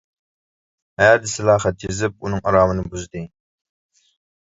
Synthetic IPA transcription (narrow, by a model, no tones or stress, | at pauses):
hæɾd̪ɪsɪlˠɑːχɛt̪jizɪp̚unɨŋɑɾɑːmɨnɨbuzd̪ɨ